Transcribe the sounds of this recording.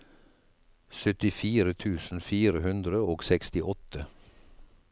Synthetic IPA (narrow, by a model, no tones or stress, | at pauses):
sœt̪ɪfiːɾət̪ʰʉːsn̩fiːɾəhʉnd̪ɾəoːɡsɛkst̪ɪʔɔt̪ə